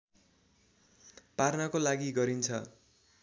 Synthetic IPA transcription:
parnakolaɡiɡʌɾint͡sʰʌ

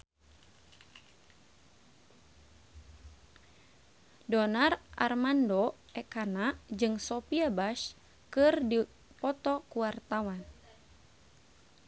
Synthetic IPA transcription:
dɔnarʔa̰rmandɔ | ɛkanad͡ʒɨŋsɔpiabaʃ | kɨrdi | pɔt̪ɔkuwart̪awan

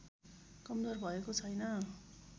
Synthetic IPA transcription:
kʌmd͡zʌrbʱʌekot͡sʰʌjnʌ

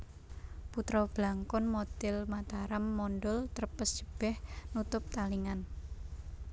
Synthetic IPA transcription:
put̪ɾɔb̥laŋkʊnmɔt̪ɪlmat̪aɾamːɔnɖʊlt̪ərpəsd͡ʒ̥əb̥ɛhnut̪ʊp̚t̪aliŋan

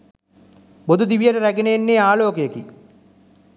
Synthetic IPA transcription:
bod̪ud̪iʋijəʈəɾæɡenejenːeːaːloːkejeki

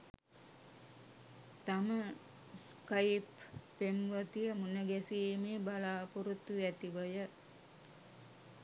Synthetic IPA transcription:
t̪amə | skajpː | eŋʋət̪ijəmunəɡæsiːmeːbalaːpoɾut̪ːuʋæt̪iʋəjə

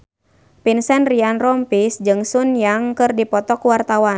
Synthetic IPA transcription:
pinsɛnrianrɔmpisd͡ʒɨŋsunjaŋkɨrdipɔt̪ɔkuwart̪awa

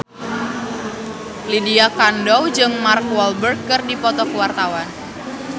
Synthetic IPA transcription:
lidiakandɔwd͡ʒɨŋmarkwɔlbərɡ̚kːɨrdipɔt̪ɔkəwart̪awan

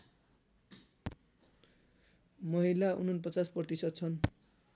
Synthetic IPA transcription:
mʌɦilaṵnʌnpʌt͡sasprʌrt̪isʌd̪̚t͡sʰʌn

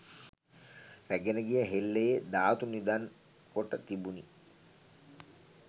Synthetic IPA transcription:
ɾæɡenəɡijəɦelːejed̪aːt̪unid̪an | koʈət̪ibuni

